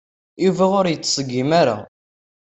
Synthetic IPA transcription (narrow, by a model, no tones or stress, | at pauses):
iviʁʊɾjət͡sːsəɡːimaɾa̰